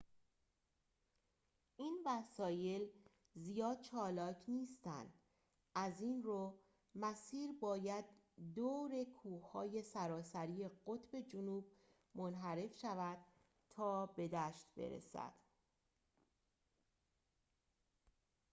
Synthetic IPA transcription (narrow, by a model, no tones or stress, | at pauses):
ʔiːnvæsɒːje̞l | zijɒːd̪̥̚t͡ʃʰɒːlɒːcʰniːst̪æ̰nd̪̥ | ʔæziːnroː | mæsiːɾbɒːjæd̪̚d̪oːɾe̞kʰuːhɒːje̞sæɾɒːsæɾije̞ɢot̪ʰbe̞d͡ʒonuːb̚ | monɦæɾe̞fʃævæd̪̥̚ | t̪ʰːɒːbe̞d̪æʃt̪be̞̰ɾḛsæ̰d̪̥